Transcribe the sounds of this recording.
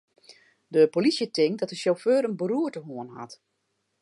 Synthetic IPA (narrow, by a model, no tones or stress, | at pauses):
dəpolisjətɪŋt̚dɔtəsoføːɾənbəruətəɦuənha̰t